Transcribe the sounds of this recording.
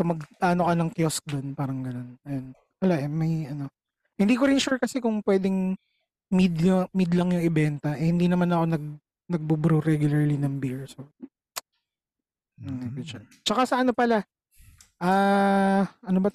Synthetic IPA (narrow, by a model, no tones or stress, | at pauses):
kɐmɐɡ̪aːnokɐnɐŋkjosk̚d̪onpaːɾɐŋɡɐno̞nɐjon | wɐlaʔɛmɐjʔɐno̞ | hɪnd̪iːkoɾɪnʃuɹkɐsɛkʊŋpwɛːd̪ɛŋ | mid̪mid̪lɐŋjʊŋɛbɛnt̪ɐʔɛhɪnd̪iːnɐmanɐko̞nɐɡ̚ | nɐɡ̚bʊbɾoɾɛɡjʊlɐɹlinɐŋbiɹso | ɐpɪt͡ʃʊt͡ʃɐkasɐʔɐno̞pɐla | ʔaː | ʔɐnobɐ